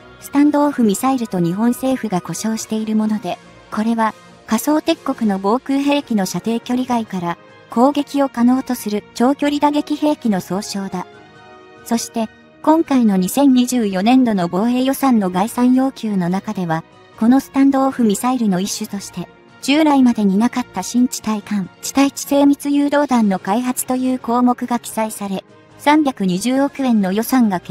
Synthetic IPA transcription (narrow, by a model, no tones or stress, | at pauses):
sɨ̥t̪ãnd̪o̞ːɸɯ̟mʲisaiɾɯ̟t̪o̞ɲ̟iɦõ̞ɰ̃se̞ːɸɯ̟ɡako̞ɕo̞ːɕi̥t̪e̞iɾɯ̟mo̞no̞d̪e̞ | ko̞ɾe̞βa | kaso̞ːt̪e̞kːo̞kɯ̟no̞bo̞ːkɯ̟ːɦe̞ːkʲino̞ɕat̪e̞ːkʲoɾʲiɡaikaɾa | kʰo̞ːɡe̞kʲio̞kano̞ːt̪o̞sɨɾɯ̟t͡ɕo̞ːkʲo̞ɾʲid̪aɡe̞kʲihe̞ːkʲino̞so̞ːɕo̞ːd̪a | so̞ɕi̥t̪e̞ | kõ̞ŋkaino̞ɲ̟isẽ̞ɲ̟ɲːiʑɨːjo̞nẽ̞nd̪o̞no̞bo̞ːe̞ːjo̞sãnːo̞ɡaisãɰ̃jo̞ːkʲɨːno̞nakad̪e̞βa | ko̞no̞sɨ̥t̪ãnd̪o̞ːɸɯ̟mʲisaiɾɯ̟no̞iɕːɨt̪o̞ɕi̥t̪e̞ | d͡ʑ̥ɨːɾaimad̪e̞ɲ̟inakat̪ːaɕĩɲ̟t͡ɕi̥t̪aikãnt͡ɕi̥t̪ait͡ɕi̥se̞ːmʲit͡sɨjɯːd̪o̞ːd̪ãnːo̞kaiɦat͡sɨ̥t̪o̞jɯ̟ːko̞ːmo̞kɯ̟ɡakʲi̥saisaɾe̞ | sãmbʲakɯ̟ɲ̟iʑɨːo̞kɯ̟ẽ̞nːo̞jo̞sãŋɡak